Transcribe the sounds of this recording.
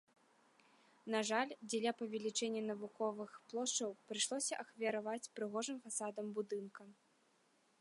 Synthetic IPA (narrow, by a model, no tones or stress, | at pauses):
naʐalʲd͡zʲɛlʲapɐvʲɛlʲit͡ʂɛnʲːɐnɐvukɔvɨxplˠɔʂt͡ʂɐwpɾɨʂlˠɔsʲɐʔɐxvʲiɐɾavat͡sʲpɾɨɣɔʐɨmfasad̪ɐmbud̪ɨnkɐ